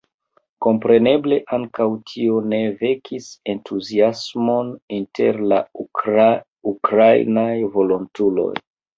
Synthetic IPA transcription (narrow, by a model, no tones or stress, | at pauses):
ko̞mpɾe̞ne̞ble̞ʔaŋkawtʰio̞ne̞ve̞kʰise̞ntʰuziasmo̞nintʰe̞̰ɾla | ukɾajnajvo̞lontulo̞̰j